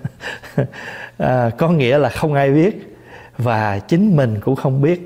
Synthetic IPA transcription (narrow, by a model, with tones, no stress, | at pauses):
ʔəː˨˩kɔ˨˦ŋḭ˧˥əlaː˨˩xə˧wŋ͡mʔaː˧jɓi˦˥ət̚ | vaː˨˩t͡ɕï˨˦ŋ̟mï˨˩ŋ̟kʊ̰˧˥ŋ͡mxə˧wŋ͡mɓi˦˥ət̚